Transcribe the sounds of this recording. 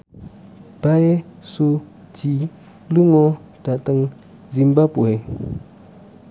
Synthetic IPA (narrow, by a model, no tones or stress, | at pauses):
b̥aesu | ti | luŋo | d̥atəŋ | zimbapue